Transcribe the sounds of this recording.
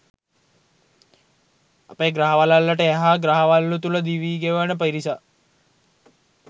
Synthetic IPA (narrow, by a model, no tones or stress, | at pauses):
apeːɡɾaɦɐʋalalːəʈəeɦaːɡɾaɦɐʋalːut̪uləd̪iʋiːɡeʋʋənəpəiɾisa